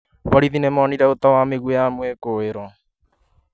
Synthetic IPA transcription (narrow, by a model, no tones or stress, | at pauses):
waɾiðinɛmɔniɾɛot̪awameɣwɛjamwekoeɾɔ